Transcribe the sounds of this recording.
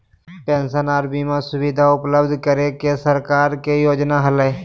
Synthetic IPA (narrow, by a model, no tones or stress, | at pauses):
pẽːnsənaːɾbimẽsʊwid̪ʱaʊpləbd̪ʱkəɾekesəɾkaːɾkejoːd͡ʒnaɦəle